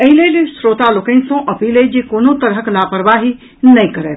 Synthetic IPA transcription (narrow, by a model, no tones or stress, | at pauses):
əɦilejlesɾoːt̪aloːkə̃nsɔ̃ʔɐpiled͡ʒekonot̪əɾɦəklaːpəɾʋaɦi | nəjkəɾḛt̪